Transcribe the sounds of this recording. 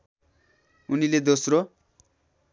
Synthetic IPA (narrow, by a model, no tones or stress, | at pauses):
uniled̪osro